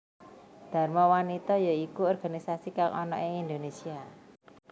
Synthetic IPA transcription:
d̪̥a̤rmawanit̪ɔjaikuɔrɡ̥a̤nisasikaŋʔɔ̰nɔ̰ʔeŋind̪onesia

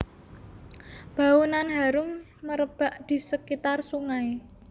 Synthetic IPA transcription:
b̥a̤unanɦaɾʊm | məɾəb̥a̤ʔd̪̥i̤səkit̪arsuŋai

